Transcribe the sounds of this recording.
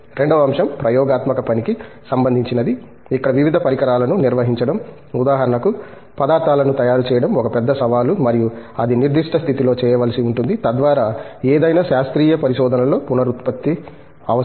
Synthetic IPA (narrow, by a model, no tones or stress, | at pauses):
ɾe̞ɳɖɐʋɐmʂɐmpɾɐjɔːɡaːt̪mɐkɐpɐniki | sɐmbɐnd̪iɲt͡ʃinɐd̪i | ikːɐɽɐʋiʋid̪ʱɐpɐɾikɐɾaːlɐnuniɾʋɐɦiɲt͡ʃɐɽɐm | ud̪aːɦɐɾɐɳɐku | pɐd̪aːɾt̪aːlɐnut̪ɐjaːɾut͡ʃɛːjɐɽɐmɔkɐpɛd̪ːɐsɐʋaːlumɐɾijuɐd̪iniɾd̪iʂʈɐst̪ʰit̪ilo̞ːt͡ʃɛːjɐʋaːlɐsiuɳʈund̪it̪ɐd̪ʋaːɾaːeːd̪ɐjnaːʃaːst̪ɾiːjɐpɐɾiʃɔːd̪ʱɐnɐlo̞ːpunɐɾut̪pɐt̪ːi | ɐʋɐ